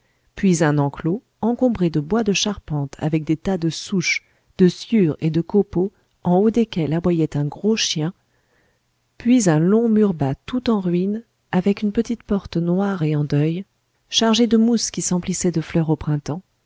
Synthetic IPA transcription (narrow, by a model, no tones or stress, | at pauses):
pɥizɛ̃nɑ̃klo | ɑ̃kɔ̃bʁed̪əbwad̪əʃaʁpɑ̃t̪ʰa̰vɛk̚d̪et̪ad̪əsuʃ | d̪̥əsjyʁed̪əkopo | ɑ̃od̪ekʲɛlavwajɛt̪ɛ̃ɡʁoʃjɛ̃ | pɥizɛ̃lɔ̃myʁbat̪ut̪ɑ̃ʁɥin | avɛkynpət̪it̪pɔʁt̪nwaʁeɑ̃d̪œj | ʃaʁʒed̪əmuskʲisɑ̃plisɛd̪əflœʁopχɛ̃t̪ɑ̃